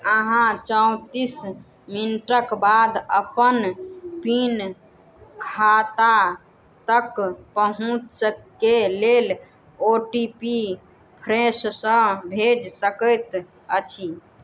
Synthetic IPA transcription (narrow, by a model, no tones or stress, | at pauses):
əɦãt͡ʃəũt̪is | minʈəkbad̪əpənpin | kʰat̪a | t̪əkpəɦũt͡ʃskelel | oʈipi | pʰɾẽssə̃bʱed͡ʒsəkəjt̪ | ət͡ʃʰi